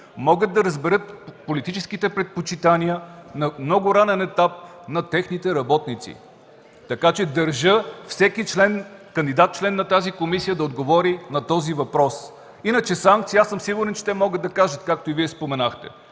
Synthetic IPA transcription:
mɔɡət̪̚d̪ɐɾəzbɛɾɤt̪̚polit̪it͡ʃɛskit̪ɛpɾɛt̪̚pot͡ʃit̪anʲiənɐmnɔɡʊɾanɛnɛt̪ap̚ | nɐt̪ɛxnit̪ɛɾɐbɔt̪nit̪sḭ | t̪ɐkat͡ʃɛd̪ɐɾʒɤfsɛkit͡ʃlɛnkɐnd̪id̪at̪̚t͡ʃlɛnːɐt̪azikomisijəd̪ɐod̪ɡovɔɾinɐt̪ɔzivɐpɾɔs | inət͡ʃɛsaŋk̚t̪sijasɤmsiɡʊɾɛnt͡ʃɛ̥t̪ɛmɔɡəd̪ɐkaʒət̪kak̚t̪oiviɛspomɛnaxt̪ɛ̰

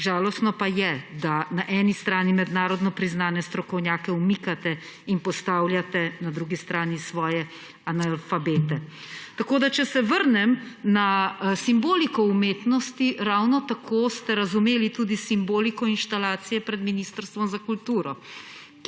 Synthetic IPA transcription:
ʒaːlɔst̪nɔpajɛd̪anaʔɛnist̪ɾaːnimɛd̪naːɾɔd̪nɔpɾiznaːnɛst̪ɾɔkɔwnjaːkɛumikat̪ɛ | inpɔst̪aːwljat̪ɛnad̪ɾuɡist̪ɾaːnisʋɔːjɛ | analfabeːt̪ɛ | t̪akoːd̪at͡ʃɛsɛʋəɾnɛmnasimboːlikɔumeːt̪nɔst̪iɾawnɔt̪akʰost̪ɛɾazumeːlit̪uːd̪isimboːlikɔinʃt̪alaːt̪sijɛpɾɛd̪miniːst̪əɾst̪ʋɔmzakult̪uːɾɔ

